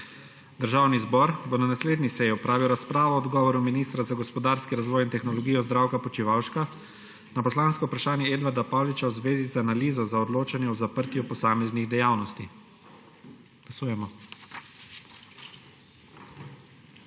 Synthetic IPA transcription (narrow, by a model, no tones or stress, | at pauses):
d̪əɾʒaːwnizbɔɾbonanasleːd̪nisɛjiɔpɾaːʋiwɾaspɾaːʋɔɔd̪ɡɔːʋɔɾuminiːst̪ɾazaɡɔspɔd̪aːɾskiɾazʋɔːjint̪ɛxnɔlɔɡijɔzd̪ɾawkapɔt͡ʃiʋawʃka | napɔslaːnskɔwpɾaʃaːnjɛeːd̪ʋaɾd̪apaːwlit͡ʃawzʋeːzizanaliːzɔzaɔd̪loːt͡ʃanjɛɔzapəɾt̪jupɔsaːmɛzniɣd̪ɛjaːwnɔst̪i | ɡ̥lasuːjɛmɔ